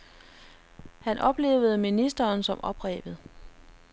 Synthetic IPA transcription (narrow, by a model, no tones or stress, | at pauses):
hænʔɒ̽b̥le̝̰ːʊð̩ˠminisd̥ɐːnsɒ̽mʔɒ̽b̥ʁɛ̰ːb̥ð̩ˠ